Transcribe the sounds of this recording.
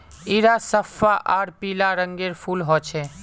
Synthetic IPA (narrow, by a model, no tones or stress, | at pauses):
iɾasəfaʔaːɾpiːlaɾəŋɡeɾpʰulɦɔt͡ʃʰɛː